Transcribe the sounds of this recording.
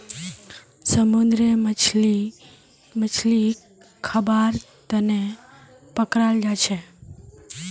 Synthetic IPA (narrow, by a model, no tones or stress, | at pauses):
səmund̪ɾemi | mət͡ʃʰli | kʰəbaɾt̪əne | pəkɾald͡ʒat͡ʃʰe